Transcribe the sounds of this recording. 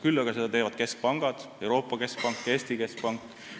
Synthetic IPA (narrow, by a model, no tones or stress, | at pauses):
kylːɑɡ̥ɑsed̪ɑt̪e̞ːvɑd̪̥ke̞sk̚pɑŋɡ̥ɑd̪̥e̞wɾo̞ːpˑːɑke̞sk̚pɑŋkːˑe̞ːsʲt̪ike̞sk̚pɑŋkːˑ